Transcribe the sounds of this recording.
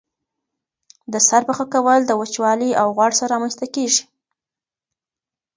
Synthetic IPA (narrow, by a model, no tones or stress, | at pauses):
d̪əsaɾpaxakawəld̪əwət͡ʃwɑliawɣwɑɽsaɾɾɑmanst̪akeʒi̥